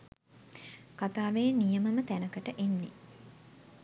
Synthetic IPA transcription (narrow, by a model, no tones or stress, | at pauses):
kat̪aːʋejnijəməmət̪ænəkəʈəʔenːe